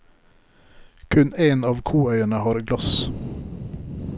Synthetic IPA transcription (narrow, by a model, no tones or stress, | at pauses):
kʰʉneːnɑːʋkʰuːœʏəɳəhɑːɾɡlɑs